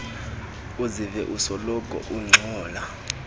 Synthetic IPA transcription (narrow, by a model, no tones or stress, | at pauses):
uzivɛʔusɔlɔkʼɔ̰ʔuŋ͡ǀʱɔːla